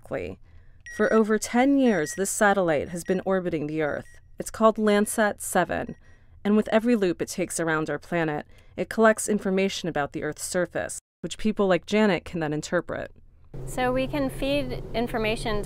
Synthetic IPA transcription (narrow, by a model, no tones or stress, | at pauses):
kʰlḭfə˞ʔoʊvə˞tʰɛ̃njɪɹzðɪsæɾəlaɪt̚ɦɨzbɨ̃nʔɔɹbɨɾɪ̃ŋðiɜ̰˞θɨtskʰɔlˠdˡlæ̃nd̥sɛtsɛvɨ̰̃n | ɨ̃nwɨðɛvɹilʉpɨtʰeɪksə˞ãʊ̃ndaʊə˞pʰl̥æñɨɾɨt̚kʰəlɛk̚tsɪ̃ɱfə˞meɪʃɨ̃nɨbaʊt̪̚ðiʔɜ˞θsɜ˞fɨ̰s | wɨt͡ʃpʰipl̩ˠlaɪk̚d̥ʒ̥ænɨt̚kʰn̩ðɨ̃ñɨ̃ntʰɜ˞pɹɨ̰t̚soʊwikʰɨ̃nfidɪ̃ɱfə˞meɪʃɨ̃n